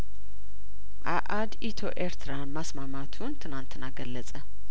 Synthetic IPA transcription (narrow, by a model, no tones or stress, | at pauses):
ʔaʔad̪it̪ʰo̞ʔeɾt̪ʰɨɾanmasmamat̪ʰunt̪ʰɨnant̪ʰɨnaɡəlːət͡sʼə